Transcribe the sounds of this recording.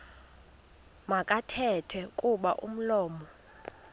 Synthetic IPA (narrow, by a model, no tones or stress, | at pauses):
makʼatʰɛtʰwɛkʼuɓaʔṵm̩lɔːmɔ